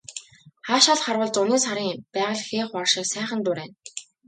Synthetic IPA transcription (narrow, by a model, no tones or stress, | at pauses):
χaːʃaɮχarwə̆ɮt͡sʊneːsaɾiːŋpæːʁə̆ɮxeːχʊɔrʃɪ̆ːksæːχə̆nt̪ʊːɾeːn